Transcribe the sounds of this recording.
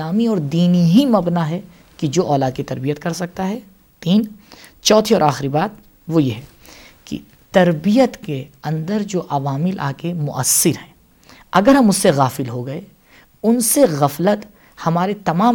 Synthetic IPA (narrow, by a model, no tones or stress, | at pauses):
aːmiɔːɾd̪iːniɦimɐbnaɦɛ | kid͡ʒoːʔɔːlaːd̪̚kit̪ɐɾbijət̪kɐɾsɐk̚t̪aɦɛ | t̪iːnt͡ʃɔːt̪ʰiɔːɾaːxɪɾibaːd̪̚ | ʋojeɦɛː | kḭ | t̪ɐɾbijət̪keɐ̃nd̪əɾd͡ʒoːʔɐʋaːmɪlʔa̰ːkemʊ̰ʔə̰sːɪɾɦɛ̃ː | ɐɡəɾɦɐmʊsːeɣaːfɪlɦoɡɐe | ʊnseɣɐflət̪ | hɐmaːɾet̪ɐmaː